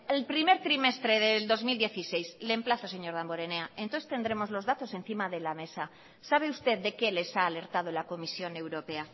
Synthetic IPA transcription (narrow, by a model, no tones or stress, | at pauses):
elpɾime̞ɾt̪ɾimest̪ɾe̞ð̞eld̪o̞zmild̪je̞θise̞jzslemplaθose̞ɲo̞ɾðamboɾe̞neaent̪onθe̥st̪e̞nd̪ɾe̞mo̞zlo̞zðat̪o̞se̞n̟θimaðe̞lame̞sa | saβ̞e̞ust̪e̞ðd̪e̞ke̞le̞saːle̞ɾt̪að̞olako̞misjo̞ne̞wɾo̞pe̞a